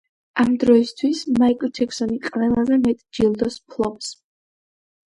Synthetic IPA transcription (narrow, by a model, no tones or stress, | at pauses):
amd̪ɾɔist̪ʰwismaikʼld͡ʒʰɛkʰsɔniqʼvɛlˠazɛmɛt̪ʼd͡ʒilˠd̪ɔspʰlˠɔps